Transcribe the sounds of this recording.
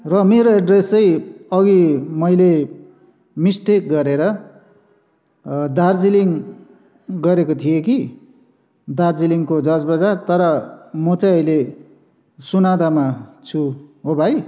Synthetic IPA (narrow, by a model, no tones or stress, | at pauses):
rʌmeɾoeɖresʌjʌɡimʌjle | misʈek̚ɡʌɾeɾʌ | d̪ard͡ziliŋ | ɡʌɾekot̪ʰijeki | d̪ard͡ziliŋkod͡zʌd͡zbʌd͡zart̪ʌɾʌmʌt͡sʌjʌjle | sunad̪amat͡sʰuɦobʱaj